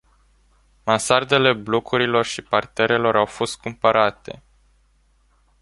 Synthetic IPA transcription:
mansard̪e̞le̞blo̞kʰuɾilo̞rʃipart̪e̞ɾe̞lo̞ɾawfo̞st̪̚kumpəɾat̪e̞̰

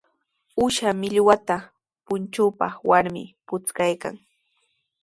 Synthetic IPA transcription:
ʊʃamɪʎwat̪a | pʊnt͡ʃʊpɑ̰χwaɾmɪ̰pʊt͡skajka̰ŋ

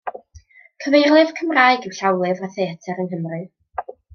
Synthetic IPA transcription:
kʰəvejrlˠɨv̥kʰəmraːɨɡiwɬawlˠɨvaθejatʰɛɾənɦəmrɨ

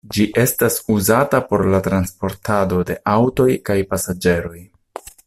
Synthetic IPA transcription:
d͡ʒiʔe̞stasuzatapo̞ɾlatɾanspo̞ɾtʰado̞de̞ʔawto̞jkajpasad͡ʒe̞ɾo̞j

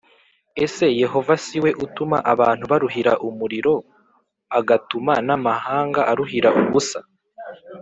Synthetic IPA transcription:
e̞se̞je̞ɦo̞vasiwe̞ʔutuma̰ʔaβaːn̥huβaɾuɦiɾaʔumuɾiɾo̞ | aɡatumanamahaːŋɡaʔaɾuɦiɾaʔuβusa

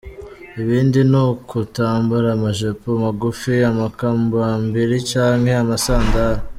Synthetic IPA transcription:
iβiːndinokutaːmbuɾamaʒepomaɡufiamakambambiɾit͡ʃaːŋhe̞amasaːndaɾa

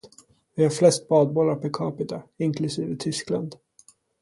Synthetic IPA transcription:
vɪhaɾflɛst̪̚bɑːd̪̚bɔlːaɾpʰɛkʰɑːpɪt̪aɪŋkʰlɵsiːvət̪ʰʏskla̰nd̪

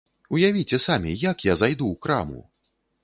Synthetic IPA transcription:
ujavʲit͡sʲɛsamʲḭjakjazajd̪ukɾa̰mṵ

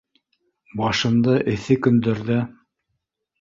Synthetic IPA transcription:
bɑʃɤ̆nd̪ɤʔɘ̆θɘkɵ̆nd̪ɘ̆ɾðɘ

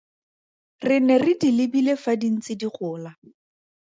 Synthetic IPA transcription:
rɪnɛrɪdilɪbilefadin̩t͡sɪdiχʊːla

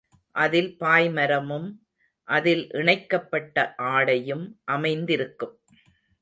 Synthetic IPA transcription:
ʔɐðɪlpaːjmɐɾɐmɯm | ʔɐðɪlʔɪɳɐɪkːɐpːɐʈːɐʔaːɽɐjɯmʔɐmɐɪnd̪ɪɾɯkːɯm

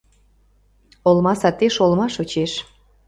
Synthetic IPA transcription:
olmɑsɑt̪eʃolmɑʃot͡ɕeʃ

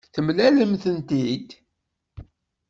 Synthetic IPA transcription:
θəmlæləmθənt̪id̪

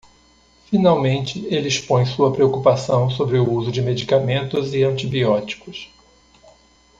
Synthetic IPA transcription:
finawmẽnt͡ʃɪelɪispõj̃suɐpɾeokupasɐ̃w̃sobɾɪʊuzʊd͡ʒɪmed͡ʒikamẽnt̪ʊzɪɐ̃nt͡ʃibiɔt͡ʃi̥kʊs

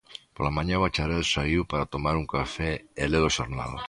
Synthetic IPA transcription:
polamãɲaβat͡ʃaɾelsaiwpaɾat̪omaɾuŋkafeeleðoʃoɾna̰l

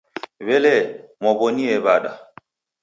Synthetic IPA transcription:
βɛlɛmɔboniɛbaɗa̰

